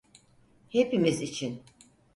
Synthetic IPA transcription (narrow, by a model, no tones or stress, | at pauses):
hepimizit͡ʃʰin